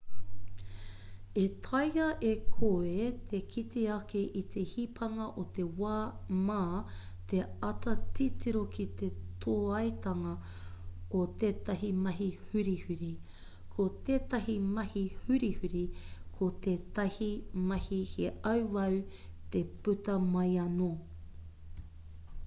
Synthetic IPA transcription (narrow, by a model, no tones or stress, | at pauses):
et̪ʰɐjɐʔekʰoet̪ʰekʰitiɐkeʔit̪ʰehipʰɐŋɐʔot̪e̞waːmaː | t̪eɐt̪ɐtitiɾokʰit̪et̪ʰoːɐjt̪ɐŋɐ | ot̪eːt̪ɐɦimɐɦihʉɾihʉɾi | kʰot̪eːt̪ɐɦimɐhihʉɾihʉɾikʰot̪eːt̪ɐhimɐhiheɐwwɐw | t̪epʉt̪ɐmɐjɐno